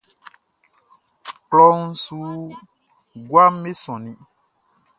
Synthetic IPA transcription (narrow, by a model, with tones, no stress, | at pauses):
klɔ˦ŋ̩˦su˦ | ɡwa˦me˦sɔ̃˨nĩ˨